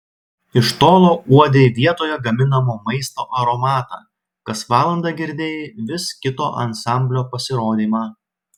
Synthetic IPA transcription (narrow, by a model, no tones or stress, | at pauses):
ɪʃt̪oːlˠoːʔuɔd̪ʲeːʋʲiɛt̪oːjɛɡɐmʲɪnɐmoːmɐɪst̪o̰ːʔɐɾomɑːt̪ɑ̰ː | kɐsʋɑːlˠɐnd̪ɑɡʲɪɾʲd̪ʲeːjeʋʲɪskʲɪt̪oːʔɐnsɑˑmʲbʲlʲoːpɐsʲɪɾoːd̪ʲiːmɑː